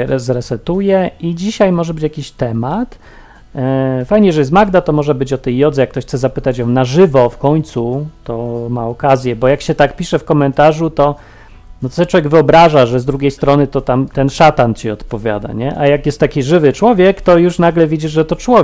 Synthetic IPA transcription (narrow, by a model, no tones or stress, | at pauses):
ɛzɾɛsɛt̪ujɛid͡ʑiɕajmɔʐɛbɘt͡ɕjakʲiɕt̪ɛmat̪ | fajɲɛjʐɛjɛs̬t̪maɡd̪at̪ɔmɔʐɛbɘt͡ɕɔt̪ɛjːɔd̪zɛjakt̪ɔɕxt̪sɛzapɘt̪at͡ɕjɔ̃w̃naʐɘvɔfkɔɲt̪sut̪ɔmaɔkazʲjɛbɔjakɕɛt̪akpʲiʂɛfkɔmɛnt̪aʐut̪ɔ | nɔt̪sɛtt͡ʂwɔvʲjɛɡvɘɔbɾaʐaʐɛzd̪ɾuɡʲejst̪ɾɔnɘt̪ɔt̪amt̪ɛnʂat̪ant͡ɕiɔt̪pɔvʲja̰d̪a̰ɲɛʔajakjɛst̪ːakʲiʐɘvɘt͡ʂwɔvʲjɛkt̪ɔjuʂnaɡlɛvʲid͡ʑiʐʐɛt̪ɔt͡ʂwɔ